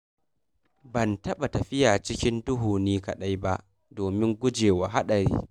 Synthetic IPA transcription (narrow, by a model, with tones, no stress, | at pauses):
bɐ˨ntɐ˦ɓa˨tɐ˨ɸɪ˦jaː˨t͡ʃɪ˦kʲɪ˦ndʊ˦ɦuː˨niː˦kɐ˨ɗa˦jba˦ʔ | doː˨mɪ˦ŋɡʷʊ˦d͡ʒeː˨wa˨ɦa˦ɗɐ˨ɾḭː˦